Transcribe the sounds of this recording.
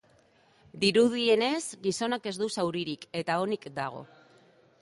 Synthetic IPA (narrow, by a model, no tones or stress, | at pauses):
d̪iɾuð̞ie̞ne̞zɡiso̞nake̞zd̪usawɾiɾike̞t̪ao̞nikd̪aɣ̞o̞̰